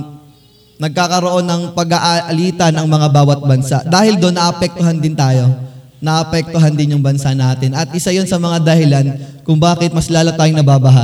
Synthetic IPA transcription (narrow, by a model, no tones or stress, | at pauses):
nɐɡ̚kaːkɐɾo̞ʔo̞nːɐŋpɐɡɐʔɐʔɐliːt̪ɐnʔɐŋmɐŋabaːwɐt̪̚bɐnsaʔd̪aːhɪld̪o̞nːɐʔɐpɛk̚t̪oɦɐnd̪ɪnt̪aːjo̞ | nɐʔɐpɛk̚t̪oɦɐnd̪ɪnjʊŋbɐnsaʔnaːt̪ɪnɐt̪̚ʔɪsajonsɐmɐŋad̪ɐhɪlankʊŋbaːkɛt̪̚mɐslaːlɐt̪ːaːjoŋnɐbaːbɐɦa